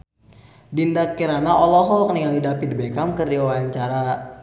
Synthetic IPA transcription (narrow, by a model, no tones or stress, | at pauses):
dindakːiɾanaɔlɔɦɔkəniŋalidapidibekamkɨrdiwawaɲt͡ʃaɾa